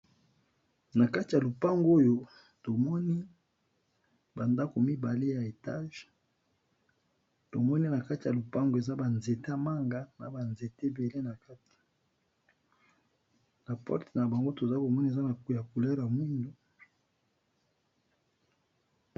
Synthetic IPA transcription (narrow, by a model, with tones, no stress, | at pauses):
na˨ka˦ti˨ja˨lo˨pa˦ŋɡo˦jo˦ | to˨mɔ˦ni˦ | ba˨nda˦ko˨mi˦ba˨le˦ja˨e˨ta̰˦ʒ | to˨mɔ˦ni˦na˨ka˦ti˨ja˨lo˨pa˦ŋɡo˨e˨za˦ba˨nze˨ta˦ma˦ŋɡa˦na̰˨ba˨nze˨te˦be˨le˦na˨ka˦ti̥˨ | na˨pɔ̰˦ʁte˨na˨ba˨ŋɡo˦to˨za˦ko˨mɔ˦ni˦e˨za˦na˨ku˨ja˨ku˨lɛ˦ʁja˨mwi˦ndo˦